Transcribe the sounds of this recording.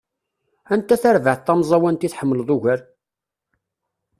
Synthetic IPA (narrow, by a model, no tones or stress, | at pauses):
ænt̪ːæθæɾvəʕt̪ˤːɑmzˤɑwænt̪iθħəmːəlðˤuʝæɾ